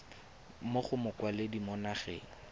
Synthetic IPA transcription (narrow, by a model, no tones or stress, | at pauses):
moχʊmʊkwalɪdimɔnaχɛ̰